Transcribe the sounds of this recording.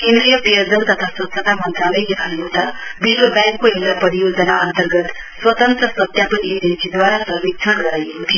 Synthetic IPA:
kend̪ɾijʌpʌjʌd͡zʌnt̪ʌt̪ʰaswʌt̪ːsʰʌt̪amʌnt̪ralʌjet̪ʰaot̪abilobjaŋkːoɦewlapʌɾijod͡zʌnaʌnt̪ʌrɡʌt̪ | swʌt̪ʌnt̪rʌsʌt̪japʌnied͡zʌnsid̪waɾasʌmik̚t͡sʰʌnɡʌɾajekot̪ʰijo

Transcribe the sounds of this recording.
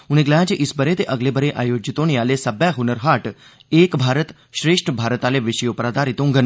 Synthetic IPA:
uñeɡlad͡ʒeʔisbəɾet̪eʔəɡlebəɾeʔaːjod͡ʑit̪oñijaːlesɐbjaɦunəɾɦaʈ | eːkbʱaːɾət̪ | ɕɾeːʂʈʰəbʱaːɾət̪aleʋɪɕəjopɾad̪aːɾit̪õŋɡən

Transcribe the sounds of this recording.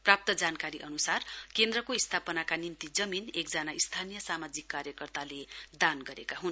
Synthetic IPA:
prap̚t̪ʌd͡zankaɾiʔʌnusarkend̪rʌkoist̪ʰapʌnakanimt̪id͡zʌminekd͡zʌnaist̪ʰanijʌsamad͡zikːaɾjʌkʌrt̪aled̪anɡʌɾekaɦun

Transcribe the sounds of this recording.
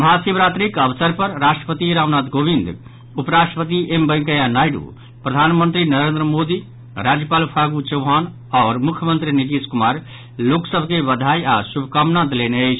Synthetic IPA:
mɦasibɾat̪ɾikəʋsəɾpəɾɾasʈɾəpət̪iɾaʋnat̪ɡobind̪ | upɾasʈəpət̪iʔembəjŋkəjanajɖṵ | pɾəd̪ʱanmənt̪ɾinəɾend̪ɾəmod̪i | ɾad͡ʒjəpalpʰaɡut͡ʃəɦan | ɔːɾmukʰjəmənt̪ɾinit̪iskumaɾ | loksəbʱkebəd̪ʱaiasubʱkamnãt̪leneət͡ʃʰ

